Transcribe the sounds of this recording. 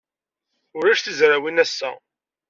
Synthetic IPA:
ʊɾæʃθizɾawinæsːæ̰

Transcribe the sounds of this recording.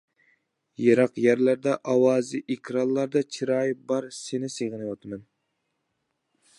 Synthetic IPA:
jeɾɑqjæɾlæɾd̪ɛʔɑwɑːzɨʔikʲʰɾɑnlˠɑɾd̪ɑt͡ʃʰiɾɑjbɑɾsenɪseʁɨnɨwɑt̪ʰɨmɛn

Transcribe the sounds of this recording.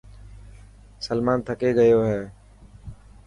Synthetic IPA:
səlmaːnt̪ʰəkeːɡəjoːɦɛː

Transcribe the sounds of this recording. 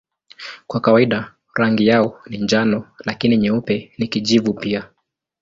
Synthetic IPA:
kwakawaiɗa | ɾaŋɡijaɔɔniɲd͡ʒanɔlakiniɲɛupɛnikiʄivupia

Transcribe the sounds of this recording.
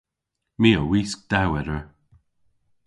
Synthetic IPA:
miːəwiːsk̚d̪̥awɛɾəɹ

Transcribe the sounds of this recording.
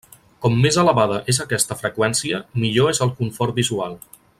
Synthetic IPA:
kɔmːezələβaðəʔezəkɛst̪əfɾəkwɛnsiəmiʎoezəlˠkuɱfɔɾbizualˠ

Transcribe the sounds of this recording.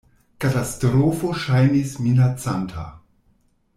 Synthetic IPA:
katastɾofoʃajnisminat͡santʰa̰

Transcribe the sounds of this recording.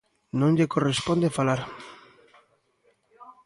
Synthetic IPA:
nõnʎekorespond̪efalaɾ

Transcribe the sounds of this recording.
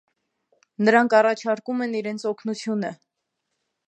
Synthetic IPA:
nəɾɑŋkʰɑrɑt͡ʃʰɑɾkumɛniɾɛnt͡sʰɔkʰnut͡sʰjunə

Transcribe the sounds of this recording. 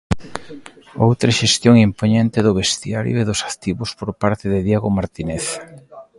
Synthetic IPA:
o̰wt̪ɾeʃest̪joŋimpoɲent̪ɪðʊβest̪iaɾjoeðʊsḁt̪iβʊspoɾpaɾt̪ɪðɪðjeɣʊmaɾt̪ineθ

